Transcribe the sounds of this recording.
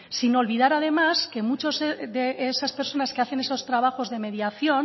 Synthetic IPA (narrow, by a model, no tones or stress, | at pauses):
sino̞lβiðaɾað̞e̞maske̞mut͡ʃo̞zeðeesaspe̞ɾso̞naskeaθe̞ne̞so̞st̪ɾaβ̞axo̞zðe̞me̞ðjaθjo̞n